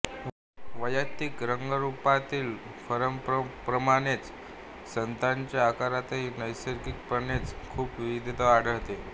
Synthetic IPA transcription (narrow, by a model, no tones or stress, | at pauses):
ʋəjat̪ikɾəŋɡəɾupat̪iːl | fəɾəmppɾəmaɽ̃et͡s | sənt̪aɲt͡ɕjaːkaɾat̪enəjsəɾkik̚pəɳet͡skʰuːpʋiʋid̪ʱit̪əaɽ̤ʱəɭt̪e